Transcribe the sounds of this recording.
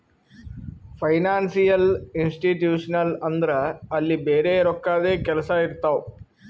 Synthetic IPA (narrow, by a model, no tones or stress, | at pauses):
pʰɐjnaːnsijɐlinsʈiʈjuːʂɐnɐlɐnd̪ɐɾɐːlːibeːɾeːɾɔkːaːd̪eːkɛlɐsɐiɾt̪aʋu